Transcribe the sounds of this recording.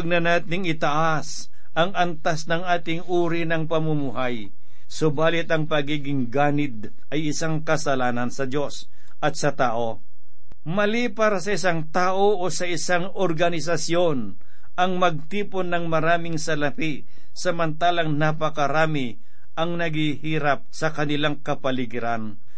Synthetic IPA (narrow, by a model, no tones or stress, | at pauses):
ɡ̚nɐnaːt̪ɪŋɪt̪ɐʔa | s | ʔɐŋɐnt̪asnɐŋaːt̪ɪŋʔuːɾɪnɐŋpɐmʊmuɦaj | sobaːlɪt̪ɐŋpɐɡiːɡɪŋɡaːnɪd̪̚ | ʔɐjɪsaŋkɐsɐlaːnɐnsɐd̪o̞s | ʔɐt̪sɐt̪aːʔo̞ | mɐlipaɾɐsɐɪsaŋt̪aːʔoʔosɐʔɪsaŋ | oɾɡɐnɪs̬ɐsjo̞n | ɐŋmɐɡ̚t̪iːponːɐŋmɐɾaːmɪŋsɐlɐpi | sɐmɐnt̪aːlɐŋnapɐkɐɾaːmɪ | ʔɐŋnɐɡɪhiːɾap̚sɐkɐnɪlaŋkɐpɐlɪɡɪɾan